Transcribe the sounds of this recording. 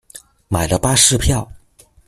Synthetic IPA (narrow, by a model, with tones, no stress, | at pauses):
ma˨˩ɪlə˦pa˥ʂɻ̩˥˧pʰjɑ˥˩ʊ